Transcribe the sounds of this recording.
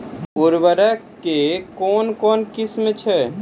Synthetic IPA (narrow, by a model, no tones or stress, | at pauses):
uɾʋəɾə | kekɔːnkɔːnkɪsmet͡ʃʰɛ